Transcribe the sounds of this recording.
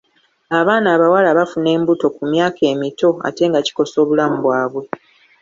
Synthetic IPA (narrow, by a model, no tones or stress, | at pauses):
aβaːnaːβawalaβafune̞ːmbuto̞kumjaːkʰe̞ːmito̞a̰te̞ːŋɡaci̥ko̞so̞ːβulamuβwaːβwe̞